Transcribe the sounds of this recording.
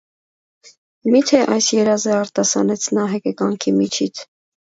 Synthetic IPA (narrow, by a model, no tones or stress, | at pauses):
mit̪ʰɛʔɑjsjɛɾɑzɛɑɾt̪ɑsɑ̰nɛt͡sʰnɑɦɛkɛkɑŋkʰimit͡ʃʰit͡sʰ